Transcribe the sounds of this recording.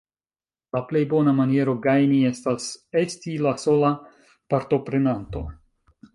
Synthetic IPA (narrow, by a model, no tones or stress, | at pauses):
laple̞jbo̞namanie̞ɾo̞ɡajnie̞stase̞stilaso̞la | paɾto̞pɾe̞nanto̞̰